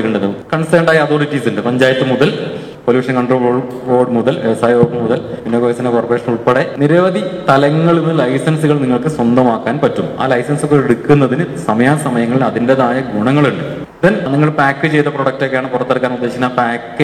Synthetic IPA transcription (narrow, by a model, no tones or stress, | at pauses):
kːuɳɖenːɨkɐɳsiʈeɳɖaːjɐɐðoːɾut͡ɕiːsiɳɖɨpɐɲd͡ʑaːjɐt̪ːɨmuðɐl | poljuːɐʂɐnkɐɳɖroːoː | ʋoːɖmuðɐlʋeʋɐsaːjʋoːʈmuðɐlenːoːkɐjɐsɐnekorpreːʂɐnuɭpeɽe̞niɾɐʋɐd̪it̪ɐlɐŋːɐɭenːɨlɐjsɐnsuɣɐɭniŋːɐɭkɨswɐnd̪ɐmaːkːaːnpɐtːuma̰ːlɐjsɐnsokːeeɽukːunːɐðinɨsɐmɐjaːsɐmɐjɐŋːɐɭiɐðindeðaːjɐɡuɳɐŋːɐɭuɳɖɨ | d̪ɐnniŋːɐɭpaːkːɨt͡ɕe̞jt̪ːɐproːɽɐk̚to̞kejaːɳɨpurɐt̪ːeɽkːaːnurd̪ːe̞ːɕinːapaːkːɨ